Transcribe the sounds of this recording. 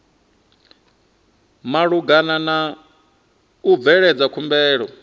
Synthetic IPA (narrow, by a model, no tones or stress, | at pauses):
maɺuɡanana | ub̪vɛɺɛd͡zakʰumbɛːɺɔ